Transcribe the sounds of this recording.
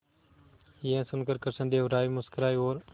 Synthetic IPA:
iẽːsʊnkəɾkəɾsə̃nd̪eːoɾaːimʊskəɾaːioːɾ

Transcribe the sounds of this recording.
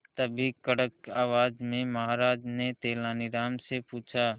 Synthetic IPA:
t̪əbʱikəɽəkaːʋaːd͡ʒmẽməɦaːɾaːd͡ʒnet̪eːlaːnɪɾaːmsepuːt͡ʃʰaː

